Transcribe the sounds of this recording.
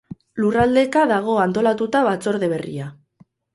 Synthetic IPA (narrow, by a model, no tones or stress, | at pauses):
lurald̪e̞kaðaɣ̞o̞ant̪o̞lat̪ut̪aβat͡so̞ɾðe̞βe̞rḭa